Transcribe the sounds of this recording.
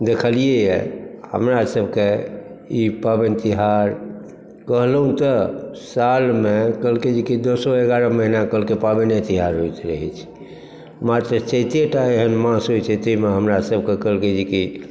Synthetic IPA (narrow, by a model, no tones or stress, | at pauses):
d̪ekʰəlijejɛ̰hə̰mɾasəbʱkeipabent̪iɦaɾ | kəɦlɦũt̪əsalmekəlked͡ʒikid̪osɔeɡaɾəməɦinakəlkepabenet̪iɦaɾɦojt̪ɾəɦɛ̰t͡ʃʰi̥ | mat̪ɾət͡ʃet̪eʈaeɦənmãsɦojt͡ʃʰət̪eimeɦəmɾasəbʱkekəlked͡ʒiki